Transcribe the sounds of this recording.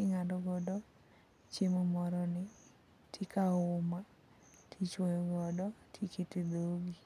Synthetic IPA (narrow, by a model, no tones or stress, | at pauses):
ɪŋadɔɡɔdɔ | t͡ʃemɔmɔɾɔnɪ | tʰikaʊma | tʰit͡ʃwojɔɡɔdɔtʰiketid̪oɡi